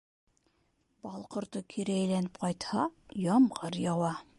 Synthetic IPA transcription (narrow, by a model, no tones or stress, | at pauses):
b̥ɑlˠqŏɾt̪ɤkʰiɾæjlænɘp̚qɑjt̪hɑjɑmʁɑɾjɑwɑ